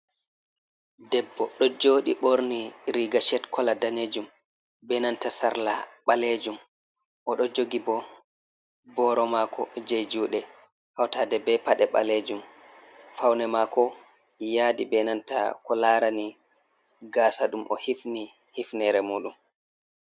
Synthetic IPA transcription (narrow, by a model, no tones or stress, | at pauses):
dɛbːɔɗɔd͡ʒoːɗiɓoɾniɾiɡaʃɛtkʰɔladaned͡ʒum | bɛnantasa̰ɾlaɓaled͡ʒum | ʔɔɗɔd͡ʒoɡibɔ | bɔɾɔmakʰɔ̰d͡ʒejd͡ʒuːɗɛ | hawtaːdɛbɛpaɗɛɓa̰led͡ʒum | fawnɛmakɔ | jaːdibɛnanta̰kɔlaɾani | ɡaːsaɗumʔɔ̰hifni | hifnɛɾɛmuːɗum